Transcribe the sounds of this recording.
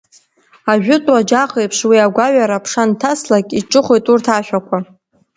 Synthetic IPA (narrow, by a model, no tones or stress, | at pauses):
aʒᶣʊtʼwad͡ʒaχejpʰʂwiaɡʷaɥaɾapʰʂantʰaslakʼiʈ͡ʂʼɨχʷejtʼurtʰaʃʷᶣakʷʰa